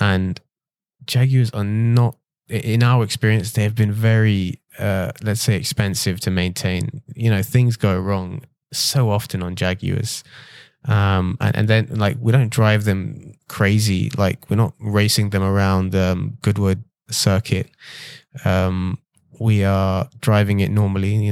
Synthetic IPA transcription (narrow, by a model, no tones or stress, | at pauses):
ʔə̃n | d̥d͡ʒæɡjʉəzə˞nət̚ | ɪʔɪ̃naʊə˞ɨkspɪɹiɨ̃nsðeɪɨvbɨ̃nvɛɹi | ʌlɨtseɪɨ̰kspɛ̃nsɪv̥tʰɨmẽɪ̃ntʰẽɪ̃njɨñoʊθɪ̃ŋzɡoʊɹɔ̃ŋ | soʊɑftɨ̃nə̃nd͡ʒæɡjʉ̰ə̰z̥ | ʔʌ̃mə̰̃nʔɨ̰̃nðɨ̃nlaɪkwidõʊ̃ndɹaɪvðɨ̃mkʰɹ̥eɪzḭlaɪkʰwɪɹnət̚ɹeɪsɪ̃ŋðɨ̃mə˞ãʊ̃ndʌ̃mɡ̥ʊd̚wʊd̚ | sɜ˞kʰɪt̚ | ʌ̃m | wiə˞dɹaɪvɪ̃ŋɪʔⁿnɔɹməl̩ˠijɨ